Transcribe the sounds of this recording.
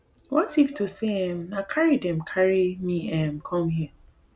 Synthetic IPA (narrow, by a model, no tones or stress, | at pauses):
wɔtiftʰoseɛ̃makʰaɹidɛ̃mkʰaɹimĩɛ̃mkʰɔ̃mɦiə